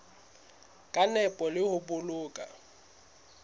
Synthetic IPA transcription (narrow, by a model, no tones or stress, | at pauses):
kʼanɛpʼɔlɪhʊbʊlʊːkʼa̰